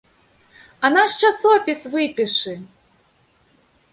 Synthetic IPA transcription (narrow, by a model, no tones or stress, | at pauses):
ɐnaʂt͡ʂasɔpʲisvɨpʲiʂɨ